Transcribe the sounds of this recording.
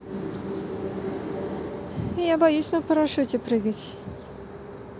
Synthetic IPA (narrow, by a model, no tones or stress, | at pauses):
jabajusʲnɐpɐɾaʂut͡sʲɛpɾɨɣɐt͡sʲ